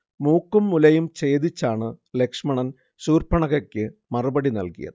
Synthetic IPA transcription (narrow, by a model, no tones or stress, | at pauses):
muːkːumːulɐjumt͡ɕe̞ːd̪it͡ɕːaːɳɨle̞kʂmɐɳɐn | ɕuːrpɐɳɐɣɐkʲːɨmɐrubɐɽinɐ̰lkḭjɐ̰ðɨ